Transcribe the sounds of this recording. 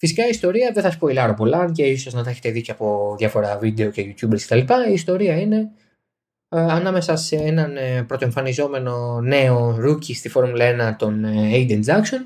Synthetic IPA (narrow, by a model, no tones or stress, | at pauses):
fisikɐiːst̪o̞ɾiɐðeθɐsu̥po̞ilɐɾopo̞lɐnceisoznɐt̪ɐçe̞t̪eðiceɐpo̞ðjʝɐfo̞ɾɐvid̪e̞o̞ce̞ʝut̪çubeske̞t̪ɐlipɐiːst̪o̞ɾiɐine̞ | ɐnɐme̞sɐse̞enɐnpɾot̪o̞e̞ɱfɐnizo̞me̞no̞ne̞o̞ɾucist̪ifo̞ɾmulɐe̞nɐt̪o̞neid̪enzɐkson